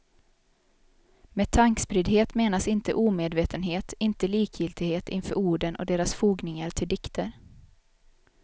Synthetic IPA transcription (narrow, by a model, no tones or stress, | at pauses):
meːt̪ʰaŋkspɾɪd̪ɦeːt̪meːnasɪnt̪ə̰ʔuːmeːd̪veːt̪ənɦeːt̪ɪnt̪əliːkʰjɪlt̪ɪɡheːt̪ɪnfœ̰ːɾuːɖənʔɔ̰d̪eːɾasfuːɡnɪŋaɾt̪ʰɪld̪ɪkt̪ʰəɾ